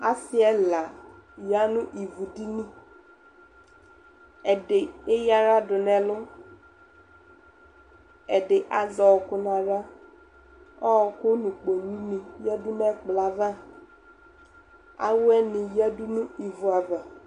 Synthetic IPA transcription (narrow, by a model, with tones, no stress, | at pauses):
a˦sɪ˦ɛ˦la˨ja˦nũ˦ʔi˨vu˨di˦nĩ˦ | ɛ˨ɖɪ˨e˦ja˦ɾa˦ɖʊ˨nɛ̃˨lʊ˦ | ɛ˨ɖɪ˨ʔa˨zɔ˨wɔ˨kʊ˦nã˨ɾa˦ | ɔ˦˨kʊ˦nũ˨k͡po˨nĩ˦nĩ˨ja˦du˦mɛ˦k͡pla˨vã˦ | a̰˦wʊ˦ɛ˦nĩ˨ja˦du˦nũ˦i˨vu˨a˨va˨